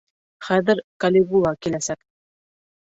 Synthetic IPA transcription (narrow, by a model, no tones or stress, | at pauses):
χæðɘɾkalʲeɣulˠɑkilæsæk